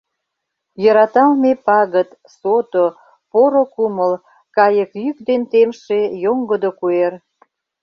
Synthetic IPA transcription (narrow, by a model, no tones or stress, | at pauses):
jəɾɑt̪ɑlmepɑɣət̪ | sot̪o | poɾokuməl | kɑjəkjyk̚d̪ent̪emʃejoŋɡəd̪okuer